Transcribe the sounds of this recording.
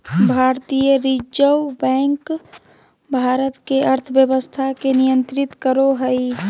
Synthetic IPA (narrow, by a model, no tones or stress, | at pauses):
bʱaɾt̪ijəɾid͡ʒəwbɛ̃ŋk | bʱaɾət̪keʔəɾt̪ʰəbjəbəst̪ʰakenijənt̪ɾit̪kəɾoɦəi